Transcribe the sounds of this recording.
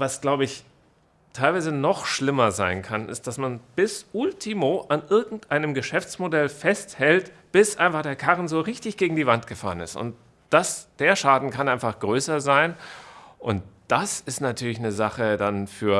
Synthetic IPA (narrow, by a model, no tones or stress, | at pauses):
vasɡ̥laʊbəɪç | tʰaɪlvaɪzənɔχʃlɪmɐzaɪnkʰanɪ̰st̚d̥asmanb̥ɪsʔʊltʰimoʔanʔɪɐɡŋ̩tʔaɪnəmɡəʃɛft͡smodɛlfɛsthɛlt | b̥ɪsʔa̰ɪnfaχd̥eːɐkʰaʁənzoːʁɪçtɪçɡ̥eːɡŋ̩diːvantɡ̥əfa̰ːʁənɪ̰stʊ̰nt̚ | d̥asd̥eːɐʃaːdn̩kʰanʔaɪnfaχɡ̥ʁøːsɐzaɪnʔʊnt̚d̥asɪstnatʰyːɐlɪç̬nəzaχədanfyːɐ